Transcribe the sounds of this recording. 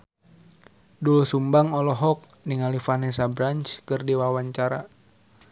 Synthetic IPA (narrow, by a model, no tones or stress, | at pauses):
dulusumbaŋɔlɔɦɔk̚ | niŋalifanɛsabɾant͡ʃkɨrdiwawaɲt͡ʃaɾa